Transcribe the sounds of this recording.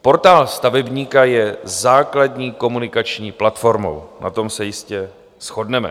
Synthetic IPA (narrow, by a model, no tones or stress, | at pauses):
po̞ɾt̪aːlst̪avɛbɲiːkajɛzaːkladɲiːko̞munɪkat͡ʃɲiːplat̪fo̞ɾmo̞̰wnʔa̰t̪o̞msɛjɪscɛ | sxo̞dnɛmɛ̰